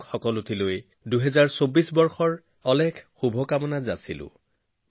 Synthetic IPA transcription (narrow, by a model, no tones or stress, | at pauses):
kxɔkɔlʊtʰiloj | duɦɛzaɹsobisbɔɹxɔɹ | ɔlɛkʰxubʱɔkamɔnaza̰sḭlʊ̰̃